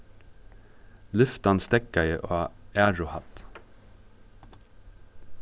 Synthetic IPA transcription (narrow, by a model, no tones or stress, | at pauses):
lʏft̪ɑnst̪ɛkɑɪʔoːæːɹʊhɑt̪